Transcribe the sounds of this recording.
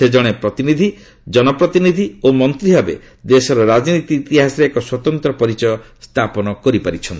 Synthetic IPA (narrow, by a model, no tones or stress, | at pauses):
sed͡ʒɔɽ̃epɾɔt̪inid̪ʱi | d͡ʒɔnɔpɾɔt̪inid̪ʱiomɔnt̪ɾibabḛ | d̪esɔɾɔɾad͡ʒnit̪iːt̪iɦasɔɾeekɔswɔt̪ɔnt̪ɾɔpɔɾit͡ʃɔjɔ | st̪ʰapɔnɔkɔɾipaɾit͡ʃʰɔnt̪i̥